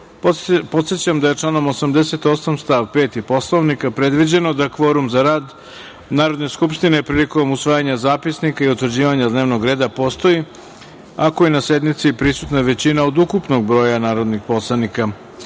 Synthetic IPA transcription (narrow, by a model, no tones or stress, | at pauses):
po̞t̪sjet͡ɕamd̪aje̞t͡ʂlˠano̞mo̞samd̪ese̞t̪o̞samst̪aʋpe̞ːt̪ipo̞slˠoʋnikapɾe̞d̪ʋid͡ʑe̞no̞d̪akʋo̞ɾumzaɾaːd̪ | naːɾo̞d̪ne̞skupʃt̪inepɾiːliko̞musʋaːjaɲazaːpisnikaiut̪ʋr̩d͡ʑiːʋaɲad̪neʋno̞ɡɾe̞ːd̪apo̞st̪o̞ji | akoinase̞d̪mit̪sipɾisut̪naʋe̞t͡ɕinaod̪ukupno̞ɡ̚bɾo̞ːjanaːɾo̞d̪nixpo̞slˠanika